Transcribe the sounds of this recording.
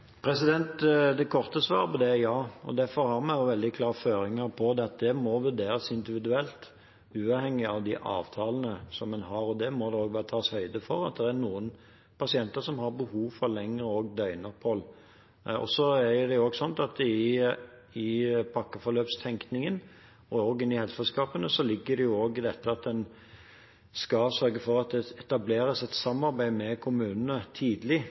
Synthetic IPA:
pʰɾɛsɪd̪ɛnt̪d̪ɛkʰɔɾt̪əsʋɑːɾpɔd̪ɛjɑːɔ̰d̪æɾfɔɾhɑɾmɛnjʊʋɛld̪ɪkʰlɑːɾføːɾɪŋəɾpʰɔd̪ɛɑt̪̚d̪ɛmɔʋʉɾd̪eːɾəsɪnd̪ɪʋɪd̪ʉɛlt̪ | ʉːɑːʋhɛŋːɪɑʋd̪iʔɑ̰ːʋt̪ʰɑːlənəsɔmːɛnɦɑɾɔd̪ɛmɔd̪ɛoːɡʋɑːɾət̪ʰɑːshœʏd̪əfɔɾɑ̰t̪̚d̪ɛæɾnuːən | pɑsɪɛnt̪əɾʂɔmɦɑɾbəhuːʋfɔɾlɛŋːəɾəɔɡd̪œʏnəpʰhɔl | ɔ̰sɔæɾjʊd̪ɛjʊoːɡsɔnt̪ɑt̪ɪ | ɪpʰɑkːəfɔɾløːpst̪ʰɛŋknɪŋən | ɔoːɡɪnɪhɛlssɛlskɑːpənəsɔlɪɡːəd̪ɛjʊoːɡɪd̪ɛt̪ːəɑt̪̚d̪ɛn | skɑsœɾɡəfɔɾɑt̪̚d̪ɛɛt̪ɑbleːɾəsɛt̪sɑmːɑɾbæɪmɛkʰʊmʉːnənət̪ʰiːd̪əlɪ

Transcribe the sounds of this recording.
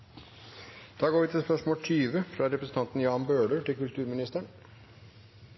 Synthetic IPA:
d̪̥ɑːɡoːɾʋɪt̪ʰɪlspœʂmoːʈ̪ʰyːʋəfɾɑɾɛpɾəsn̩t̪ɑnt̪n̩jɑːnbøːɖəʈɪlkʉlt̪ʰʉːɾmɪnɪst̪əɳ

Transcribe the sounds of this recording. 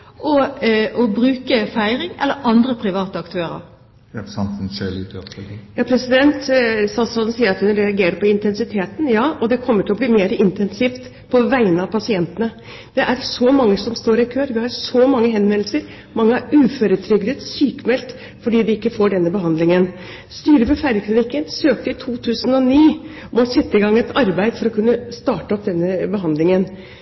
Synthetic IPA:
ʔɔɔbɾʉːkəfæɪɾɪŋɛ̰lːəɾɑnd̪ɾəpʰɾɪʋɑːt̪əɑkt̪ʰøːɾə̰ɾ | sɑnnselɪt̪ɔ̰jɑːpʰɾɛsɪd̪ɛnt̪sɑsɑnsiːəɾɑt̪hʉnɾɛɑɡeːɾəpɔɪnt̪ɛnsɪt̪ʰeːt̪ən̩jɑːʔɔd̪ɛkʰɔmːəʈʰɪlɔbliːmeːɾəʔɪnt̪ɛnsiːft̪ | pʰɔʋæɪənɑʋpʰɑsɪɛnt̪ənə | d̪̥ɛʔæɾsɔmɑŋːəsɔmst̪oːɾɪkʰøːɾʋɪhɑɾʂɔmɑŋːəɦɛnʋɛnlsəɾ | mɑŋːəæɾʉːføːɾət̪ʰɾʏɡd̪əsyːkmɛlt̪ | fɔɖiːd̪ɪɪkːəfoːɖɛnːəbəɦɑnd̪lɪŋən | st̪yːɾəʋɛfæɾəkʰlɪnɪkːənsøːk̚t̪əɪt̪ʰuːt̪ʰʉːsənɔniː | mɔsɛt̪ːəɪɡɑŋːɛt̪ʰɑɾbæɪd̪fɔɾɔkʰʉnːəst̪ɑːʈəɔp̚d̪ɛnːəbəɦɑnd̪lɪŋən

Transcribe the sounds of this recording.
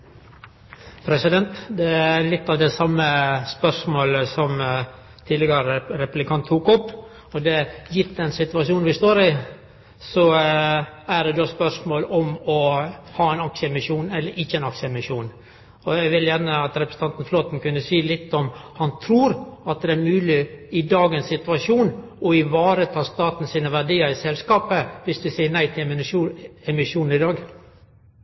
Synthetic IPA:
pʰɾɛsɪd̪ɛnt̪d̪ɛæɾlɪt̪ːɑʋd̪ɛsɑmːəspœʂmoːləsɔm | t̪ʰiːd̪ɪɡəɾəɾɛpʉblɪkʰɑnt̪ʰːuːkɔpː | ɔd̪ɛjɪɾt̪ːɛnsɪt̪ʉɑʂuːnʋɪst̪oːɾɪ | sɔ | æɖ̪ɛd̪oːspœʂmoːlɔmɔhɑːɛɪnɑkʂəɛmɪʂuːnɛlːəɾʔɪçːəɛnɑksəɛmɪʂuːn | ɔæɪɡʋɪljænəɑt̪ɾɛpɾəsə̥t̪ɑnt̪n̩floːt̪n̩kʉnːəsiːlɪt̪ːɔmhɑnt̪ʰɾuːɾɑt̪̚d̪ɛæɾmʉːlɪɪd̪ɑːɡəɛnsːɪt̪ʉʋɑʂuːn | ɔɪʋɑːɾət̪ʰɑːst̪ɑːt̪n̩siːnəʋæɖiːəɾɪsɛlskɑːpəʋɪsd̪ʉsæɪənæɪt̪ʰɪl | ɛmɪʂuːn̩ɪd̪ɑːɡ

